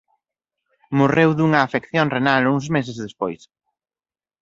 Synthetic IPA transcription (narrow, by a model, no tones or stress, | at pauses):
morewðuŋɐːfekθjoŋrenaluŋzmes̬ezðespojs